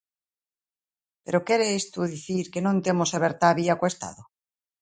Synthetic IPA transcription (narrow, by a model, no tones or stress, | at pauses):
pe̞ɾokeɾeest̪uðiθiɾkenõnt̪emoseβeɾt̪aβiakwe̞st̪a̰ðo